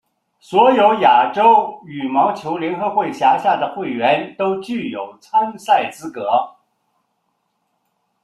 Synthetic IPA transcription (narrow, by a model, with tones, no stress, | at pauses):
swɔ˧˥jo˧˥ʊja˨˩ʈ͡ʂo˥ʊy˨˩mɑ˧˥ʊt͡ɕʰjo˧˥ʊljɛ˧˥nxɤ˧˥xwe˥˩ɪɕja˧˥ɕja˥˩d̪ə˩xwe˥˩ɪɥɛ˧˥nt̪o˥ʊt͡ɕy˥˩jo˨˩ʊt͡sʰa˥ŋsa˥˩ɪt͡sɹ̩˥kɤ˧˥